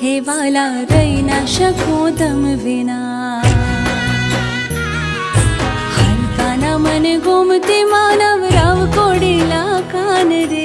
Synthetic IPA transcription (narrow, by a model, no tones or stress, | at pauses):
ɦeʋaːla | ɾəinaʃɐkõd̪ɐmʋina | hɐnkaːnamɐneɡomt̪imaːnəʋɾaʋkoɽilakanɾe